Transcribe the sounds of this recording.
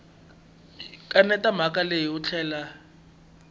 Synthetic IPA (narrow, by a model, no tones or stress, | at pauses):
kʼanɛtam̤akʼalejiut͡ɬʰɛːla